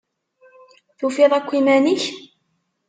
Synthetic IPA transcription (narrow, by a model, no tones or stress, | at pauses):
θufiðˤækʷːimæniç